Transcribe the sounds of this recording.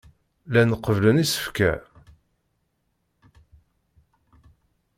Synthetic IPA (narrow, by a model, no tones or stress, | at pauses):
lænəqəvlənisə̥fkæ̰